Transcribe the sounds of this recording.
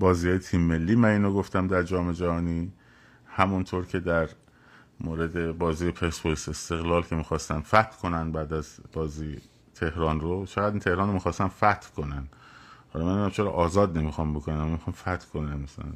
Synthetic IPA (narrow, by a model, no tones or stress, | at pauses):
bɒːziːhɒːjet̪ʰiːmːe̞lːiːmæniːnoɡoft̪æmd̪æɾd͡ʒɒːme̞d͡ʒæhɒːniː | hæmunt̪ʰoːɾcʰe̞d̪æɾ | moːɾe̞d̪e̞bɒːziːjepʰesbolsest̪e̞ɣlɒːlcʰe̞miːxɒːst̪ænfæt̪ʰkʰo̞nænd̪bæːd̪æzb̥ɒːziː | t̪ʰe̞hɾɒːnrot͡ʃʰeɣæd̪int̪ʰe̞hɾɒːnɾomiːxɒːst̪ænfæt̪ʰkʰo̞nænhɒ̰lɒmænunæmt͡ʃʰeɾɒ̰ːʔɒːzɒːd̪nemixɒmbokʰonænæmːmixɑmfæt̪ʰkʰonænmæsælæ̰n